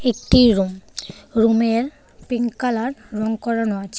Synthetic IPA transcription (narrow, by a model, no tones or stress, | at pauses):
ek̚ʈiɾumɾumeɾ | piŋkalaɾːɔŋkɔɾanɔat͡ɕʰe